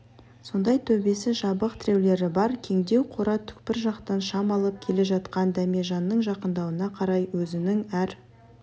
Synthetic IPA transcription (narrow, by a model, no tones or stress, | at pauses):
so̞nd̪ɑjt̪ʰɵbe̞sɪʒɑbəqt̪ʰɪɾe̞wle̞ɾɪbɑɾkʲʰe̞ŋd̪e̞wqʰo̞ɾɑt̪ʰʏ̥k̚pɪɾʒɑqt̪ɑnʃɑmɑlˠəp̚kʲʰe̞le̞ʒɑt̪qɑnd̪æmeʒɑnːəɴʒɑqənd̪ɑwənɑqʰɑɾɑjwɵzɪnɪŋæɾ